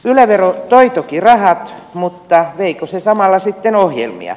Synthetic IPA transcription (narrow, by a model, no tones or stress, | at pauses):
ylæʋerot̪oit̪okirɑhɑt̪mut̪ːɑʋeikosesɑmɑlːɑsit̪ːenohjḛlmḭɑ̰